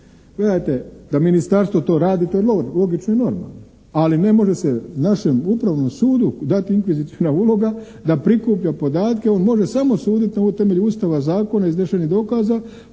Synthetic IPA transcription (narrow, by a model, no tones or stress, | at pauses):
ɡ̥led̪ajt̪e̞d̪aminist̪aɾst̪ʋo̞t̪o̞ːɾaːd̪it̪ojelolo̞ɡit͡ʃnoino̞ɾma̰lˠno | aline̞mo̞ʒe̞se̞naʃe̞mupɾaʋno̞msuːd̪ud̪at̪iiŋkʋizit̪sionauːlo̞ɡa | d̪apɾikupʎapo̞d̪aːt̪ke̞o̞ːnmo̞ʒe̞samo̞suːd̪it̪noot̪e̞me̞ʎuust̪aʋazaːko̞naizeʃenid̪o̞kaːza